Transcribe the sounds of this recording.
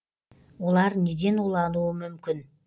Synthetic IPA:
olˠɑɾned̪e̞nulˠɑnuːmymkʲyn

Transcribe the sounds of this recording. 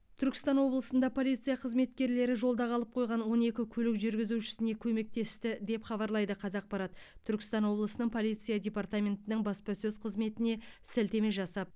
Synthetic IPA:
t̪ʰʏɾkʲɪ̥st̪ɑnwo̞blˠəsənd̪ɑpʰo̞lʲˠijt̪sɨjaqʰəzme̞t̪̚kʲe̞ɾle̞ɾɪʒo̞lˠd̪ɑʁɑlˠəp̚qʰo̞jʁɑnwo̞ne̞kʲɪkʲʰɵlɪkʒʏɾɡʲɪzuʃɪ̥sɪne̞kʲʰɵme̞k̚t̪e̞st̪ɪd̪e̞pχɑbɑɾlˠɑjd̪əqʰɑzɑq̚bɑɾɑt̪ət̪ʰːʏɾkʲɪst̪ɑnwo̞blˠəsənəɴpʰo̞lijt̪sɨjadʲe̞part̪amʲe̞nt̪ɪnɪŋbɑspɑsɵzqʰəzme̞t̪ɪne̞sɪlt̪e̞me̞ʒɑsɑp̚

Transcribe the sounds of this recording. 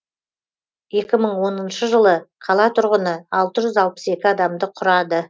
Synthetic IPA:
je̞kʲɪməɴwo̞nənʃəʒəlˠəqʰɑlˠɑt̪ʰʊɾʁənəɑlˠt̪əʒʏzɑlˠpə̥se̞kʲɪɑd̪ɑmd̪əqʰʊɾɑd̪ə

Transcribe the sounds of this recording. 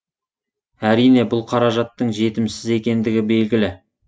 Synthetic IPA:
æɾijne̞bʊlˠqʰɑɾɑʒɑt̪ːəɴʒe̞t̪ɪmsɪze̞kʲe̞nd̪ɪɡʲɪbe̞lɡʲɪlɪ

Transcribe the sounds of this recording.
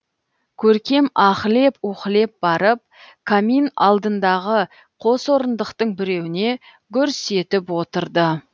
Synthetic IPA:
kʲʰɵɾkʲe̞mɑχəle̞pwoqəle̞p̚bɑɾəp̚ | kʰaminɑ̰lˠd̪ənd̪ɑʁə | qʰo̞swo̞ɾənd̪əqt̪əɴbɪɾe̞wɪne̞ | kʲʰʏɾse̞t̪ɪpwo̞t̪əɾd̪ə

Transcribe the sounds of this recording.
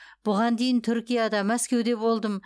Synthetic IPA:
b̥ʊʁɑnd̪e̞jɪnt̪ʰʏɾkʲijɑd̪ɑmæskʲe̞wd̪e̞bo̞lˠd̪əm

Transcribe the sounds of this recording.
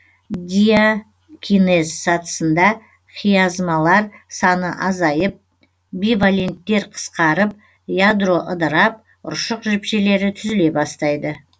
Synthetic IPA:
d̪ʲija | kʲʰine̞zsɑt̪ə̥sənd̪ɑ | χʰijɑzmɑlˠɑɾsɑnəʔɑzɑjəp̚ | bivalʲe̞nt̪ːe̞ɾqʰə̥sqɑɾəp̚ | jad̪ro̞ʔəd̪əɾɑp̚ | ʊ̰ɾʃəqʒɪpʃe̞le̞ɾɪt̪ʰʏzɪle̞bɑst̪ɑjd̪ə

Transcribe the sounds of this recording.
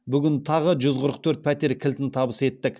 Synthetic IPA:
bʏɡʲɪnt̪ʰɑʁəʒʏzqʰʊɾəq̚t̪ʰɵɾt̪̚pʰæt̪e̞ɾkʲʰɪlt̪ɪnt̪ʰɑbəse̞t̪ːɪk

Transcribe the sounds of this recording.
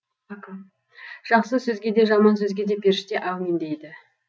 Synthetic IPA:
ʒ̥ɑqsəsɵzɡʲe̞d̪e̞ʒɑmɑnsɵzɡʲe̞d̪e̞pʰeɾʃɪt̪e̞ʔæwmend̪e̞jd̪ɪ

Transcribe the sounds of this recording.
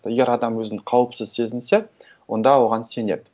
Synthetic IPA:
t̪əeɡʲeɾɑd̪ɑmwɵzɪɴqʰɑwəpsəzse̞zɪnse | wo̞nd̪ɑwo̞ʁɑnse̞ne̞̰d̪ɪ

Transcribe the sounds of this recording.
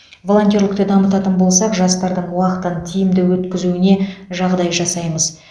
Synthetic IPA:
vo̞lˠo̞nt̪ʲjoɾlʲɪkt̪ɪd̪ɑmət̪ɑt̪ənbo̞lˠsɑqʒɑst̪ɑɾd̪əɴwɑqət̪ənt̪ʰijɪmd̪ɪwɵt̪kʲɪzuɪne̞ʒɑʁd̪ɑjʒɑsɑjməz

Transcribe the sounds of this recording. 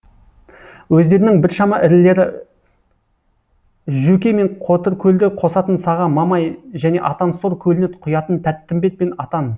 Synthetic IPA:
wɵzd̪e̞ɾɪnɪŋbɪɾʃɑmɑʔɪɾɪlːe̞ɾɪ | ʒʉkʲeme̞ɴqʰo̞t̪əɾkʲʰɵld̪ɪqʰo̞sɑt̪ənsɑʁɑmɑmɑjʒæne̞̰ʔɑt̪ɑnsoɾkʲʰɵlɪnɪt̪qʰʊjɑt̪ənt̪ʰæt̪ːɪmbe̞t̪̚pe̞nɑt̪ɑn

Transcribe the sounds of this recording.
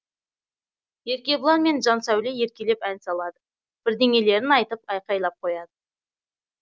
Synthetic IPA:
je̞ɾkʲe̞bəlˠɑnme̞nʒɑnsæwleje̞ɾkʲele̞pænsɑlˠɑd̪ə | b̥ɪɾd̪e̞ŋʲe̞le̞ɾɪnɑjt̪əp̚ɑjqɑjlˠɑp̚qʰo̞jɑd̪ə

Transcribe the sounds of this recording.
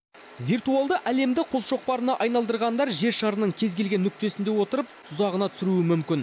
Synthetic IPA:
vʲijrt̪ualˠd̪əʔæle̞md̪ɪqʰo̞lʃo̞q̚pɑɾənɑʔɑjnɑlˠd̪əɾʁɑnd̪ɑɾʒe̞ɾʃɑɾənəɴkʲʰe̞zɡʲe̞lɡʲe̞nːʏk̚t̪e̞sɪnd̪e̞wo̞t̪əɾəp̪̚ʰ | ʊzɑʁənɑt̪ʰʏ̥sɪɾuɪmʏmkʲɪn

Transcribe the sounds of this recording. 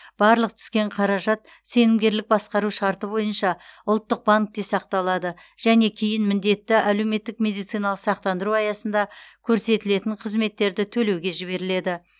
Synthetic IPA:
b̥ɑɾlˠəq̚t̪ʰʏ̥skʲe̞ɴqʰɑɾɑʒɑt̪ | se̞nɪmɡʲe̞ɾlɪk̚bɑsqɑɾuʃɑɾt̪əbo̞jənʃɑʊlˠt̪ːəq̚baŋk̚t̪esɑq̚t̪ɑlˠɑd̪ə | ʒ̥æne̞kʲʰijɪnmɪnd̪e̞t̪ːɪʔæle̞wme̞t̪ːɪkmʲe̞d̪ijt̪sijnɑlˠəqsɑq̚t̪ɑnd̪əɾuɑjɑsənd̪ɑkʲʰɵɾse̞t̪ɪle̞t̪ɪɴqʰəzme̞t̪ːe̞ɾd̪ɪt̪ʰɵle̞wɡʲe̞ʒɪβe̞ɾɪle̞d̪ɪ

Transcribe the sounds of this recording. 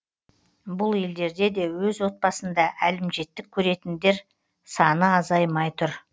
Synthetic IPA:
bʊlˠje̞ld̪e̞ɾd̪e̞d̪e̞wɵzwo̞t̪̚pɑsənd̪ɑʔælɪmʒe̞t̪ːɪkʲʰɵɾe̞t̪ɪnd̪e̞ɾ | sɑnəɑzɑjmɑjt̪ʰʊɾ

